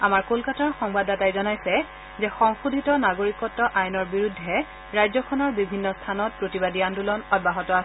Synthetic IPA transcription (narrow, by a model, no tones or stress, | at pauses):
amaɹkolkataɹxɔŋbadatajzɔnajsɛ | zɛxɔŋxudʱitɔnaɡoɹikɔtːɔʔajnɔɹbiɹudʱːɛ | ɹajzɔkʰɔnɔɹbibʱinːɔstʰanɔt̚pɹotibadiandulɔnɔd̚baɦɔtɔasɛ